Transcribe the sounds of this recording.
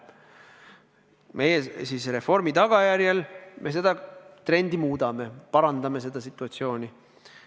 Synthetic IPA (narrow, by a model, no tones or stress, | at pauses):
me̞jesiːsre̞fo̞rmit̪ɑɡ̥ɑjæɾjelmʔe̞s̬e̞d̪̥ɑt̪ɾe̞nd̪̥imuːd̪̥ɑme̞pɑɾɑnd̪̥ɑme̞se̞d̪̥ɑsit̪ːˑuɑt̪sio̞ːnʲi